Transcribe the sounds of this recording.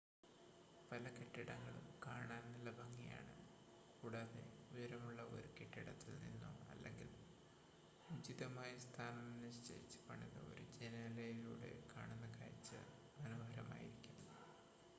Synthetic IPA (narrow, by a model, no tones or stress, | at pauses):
pɐlɐkeʈːiɽɐŋːɐɭṵmkaːɳaːnnilːɐbʱɐŋːija̰ːɳɨ | kuːɽaðḛujɐɾɐmuɭːɐo̞̰ɾukeʈːiɽɐt̪ːilnḭnːṵɐ̰lːḛŋɡil | ud͡ʑiðɐmaːjɐst̪ʰaːnɐmnːiɕt͡ɕɐ̰jit͡ɕːɨ̥pɐɳiðɐ̰o̞̰ɾud͡ʑenɐlɐjiilṵːɽe̞̰kaːɳunːɐkaːjit͡ɕːɨ̰ | mɐnoːbʱɐɾɐma̰ːjiɾikʲːunːɐ